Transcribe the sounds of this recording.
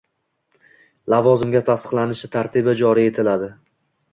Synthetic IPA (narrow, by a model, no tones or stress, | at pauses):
lavɒzɪmɡʲat̪ʰast̪ɨ̥qlˠanɪʃɪt̪ʰaɾt̪ʰɪbad͡ʒɒɾie̞t̪ʰɪlad̪ɪ